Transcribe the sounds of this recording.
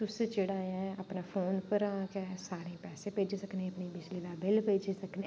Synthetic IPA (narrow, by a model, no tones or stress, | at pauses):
t̪ʊst͡ʃeɽaːjɛ̃ɐpnafoːnpəɾãːkɛsaːɾepɛːsẽpeːd͡ʒsɐkneɐpnibɪd͡ʒlilaːbɪlpeːd͡ʒisɐkne